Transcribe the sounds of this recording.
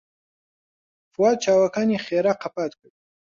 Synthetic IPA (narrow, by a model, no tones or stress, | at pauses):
fuwad̪̚t͡ʃʰaːwakʰaniχeːɾaqʰapʰat̪kʰəd̪